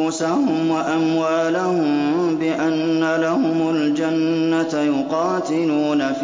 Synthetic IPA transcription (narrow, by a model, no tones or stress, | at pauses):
uːsahʊmwaʔamwaːlahʊmbɪʔanːalahʊmald͡ʒanːat̪jʊqɑːt̪ɪluːnaf